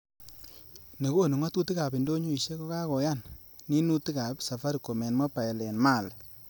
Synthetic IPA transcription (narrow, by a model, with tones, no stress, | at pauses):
ne˨ko˦˨nu˨ŋɔ˦tu˦ti˦ka˨pi˨ndo˦ɲu˦i˨ʃe˦kɔ˦ka˦kɔ˨ja˦˨n | ni˦nu˦ti˦ka˨psa˨fa˦ɾi˨ko˨mɛ˨nmɔ˦pa˨ɛ˨lɛ˨nma˦˨l